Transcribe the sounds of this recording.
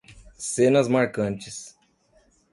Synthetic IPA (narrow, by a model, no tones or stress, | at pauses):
sẽnɐzmaɾkɐ̃nt͡ʃɪs